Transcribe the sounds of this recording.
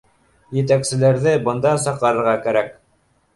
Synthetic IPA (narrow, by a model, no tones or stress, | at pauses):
jɘ̆t̪̬æksɘ̆læɾðɘbɤ̆nd̪ɑsɑqɑɾɤ̆ɾʁɑkæɾæk̚